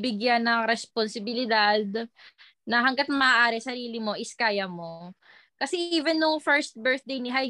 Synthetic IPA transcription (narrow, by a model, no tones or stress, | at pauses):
bɪɡjanːɐŋɾɛsponsɪbɪlɪd̪ad̪̚ | nɐɦɐŋɡat̪̚mɐʔaʔaːɾɛsɐɾiːlɪmo̞ʔɪskaːjɐmo̞ | kɐsɛʔiːvɛnːʊŋfɛɹst̪̚bɛɹθ̚d̪ejnɪɦaj